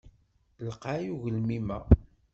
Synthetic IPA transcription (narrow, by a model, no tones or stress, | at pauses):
ləqajuʝəlmimæ